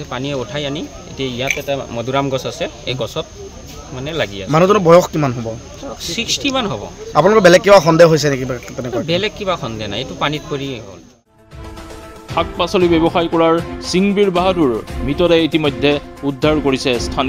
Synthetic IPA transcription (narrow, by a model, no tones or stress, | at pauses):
ɛpaniɛutʰajani | ḛtiaijatɛtamɔduɹamɡɔsasɛ | ḛjɡɔsɔt̚ | manɛlaɡia̰manuzɔnɔbɔjɔxkimanɦobɔ | sɹikstʰimanɦobɔ̰ap̬unalɔkɔbɛlɛkːibaxɔndɛjɦojs̬ɛnekibatɛnɛkɔabɛlɛkːibaxɔndɛna̰jetʊpanit̚koɹiɦo̰l | ak̚pasɔlibɛbɔxajkɔɹaɹsiŋbiɹbaɦaduɹmitɔdɛitimɔjdʱːɛudʱːaɹkoɹisɛstʰan